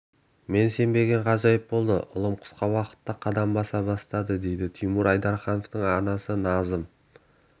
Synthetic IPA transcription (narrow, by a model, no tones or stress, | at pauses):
me̞nse̞mbe̞ɡʲe̞ɴqʰɑʒɑjəp̚bo̞lˠd̪ə̰ʔʊ̰lˠəmqʰʊ̥sqɑwɑqə̥t̪ːɑqʰɑd̪ɑmbɑsɑbɑst̪ɑd̪əd̪e̞jd̪ɪt̪ʰijmuɾɑjd̪ɑɾχɑnoft̪əɴɑnɑsənɑzəm